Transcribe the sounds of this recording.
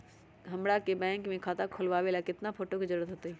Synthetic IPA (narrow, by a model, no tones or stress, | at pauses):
ɦɐ̃mɽakebɛ̃ːŋkmẽkʰaːt̪akʰʊlʋaːʋeːlakɪt̪nafʰoːʈokizɐɾuːɾət̪ɦoːt̪eɛː